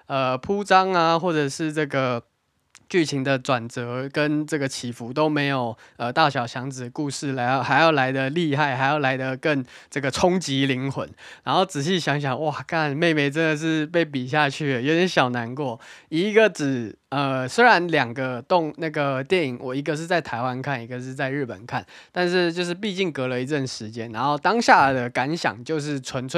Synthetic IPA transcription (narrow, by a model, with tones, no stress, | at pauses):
ə˧pʰu˦t͡sɑ˥ŋa˧xwɔ˥˩ʈ͡ʂə˨˩ʂɻ̩˥˧ʈ͡ʂɤ˥˩ɡə˩ | t͡ɕy˥˩t͡ɕʰi˧˥ŋd̪ə˧ʈ͡ʂwa˨˩nt͡sɤ˧˥kə˦nʈ͡ʂɤ˥˩ɡə˩t͡ɕʰi˨˩fu˧˦t̪o˥ʊme˧˥ɪjo˨˩ʊə˨t̪a˥˩ɕjɑ˨˩ʊɕjɑ˧˥ŋt͡sɹ̩˨˩ə˦ku˥˧ʂɻ̩˥˩la˧˥ɪjxa˧˥ɪjɑ˥˩ʊla˧˥ɪd̪ə˨li˥˧xa˥˩ɪxa˧˥ɪjɑ˥˩ʊla˧˥ɪd̪ə˨kə˥˧nʈ͡ʂə˥˩ɡə˩ʈ͡ʂʰʊ˦˥ŋt͡ɕi˧˦li˧˦˥ŋxwə̰˨˦nɻa˧˥nxo˥˩ʊt͡sɻ̩˨˩ɕ̬i˥˩ɕjɑ˧˥ŋɕ̬jɑ˨˩˦ŋwa˥˩kʰa˥˧nme˥˧ɪme˧ɪʈ͡ʂə˦nd̪ə˨ʂ̬ɻ̩˥˧pe˥˩ɪp̬i˨˩ɕ̬ja˥˧t͡ɕʰy˥˩ə˩jo˧˥ɛ˧˦nɕjɑ˨˩ʊna˧˥nkwɔ˥˩i˧˥ɡə˧ʈ͡ʂɻ̩˨˩ | ə˨˩swe˥ɪɻa˧˦nljɑ˨˩ŋɡə˦t̪ʊ˥˨ŋna˥˩ɡə˩t̪jɛ˥˩ni˨˩ŋwɔ˨˩i˧˥ɡə˧ʂ̬ɻ̩˥˧t͡sa˥˩ɪt̪ʰa˧˥ɪwa˦nkʰa˥˩ni˧˥ɡə˧ʂ̬ɻ̩˥˧t͡sa˥˧ɪɻ̩˥˩pə̰˨˩nkʰa˥˩nt̪a˥˧nʂɻ̩˥˧t͡ɕjo˥˧ʊʂ̬ɻ̩˥˧p̬i˥˧t͡ɕi˥˩ŋkɤ˧˥lə˧i˧˥ʈ͡ʂə˥˩nʂɻ̩˧˦t͡ɕjɛ˥˦nːa̰˧˥nxo˥˩ʊt̪ɑ˥ŋɕja˥˩d̪ə˩ka˧˥nɕjɑ̰˨˩ŋt͡ɕjo˥˧ʊʂ̬ɻ̩˥˩t͡sʰwə˧˦˥nt͡sʰə˥˩